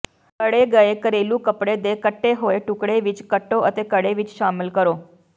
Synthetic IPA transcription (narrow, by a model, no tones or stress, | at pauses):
kəɽeɡəekəɾelũkəpɽed̪ekəʈːeɦoeʈukɽeʋit͡ʃkəʈːoʔət̪ekəɽeʋit͡ʃʃaməlkəɾo